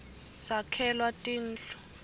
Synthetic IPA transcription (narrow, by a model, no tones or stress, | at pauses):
sakʰɛlwatʼiːn̩ːɬɔ̥